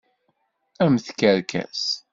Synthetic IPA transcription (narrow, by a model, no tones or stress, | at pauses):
æmθkəɾkʰæ̰s